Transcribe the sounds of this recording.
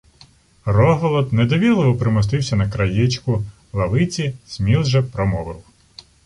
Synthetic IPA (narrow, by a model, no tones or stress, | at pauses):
rɔɦɔlˠɔd̪ned̪ɔʋʲilˠeʋɔpɾɪmɔs̬t̪ɪwsʲɐnɐkɾɐjɛt͡ʃkʊ | lˠɐʋɪt͡sʲisʲmʲilʒɛpɾɔmɔʋɪ̰w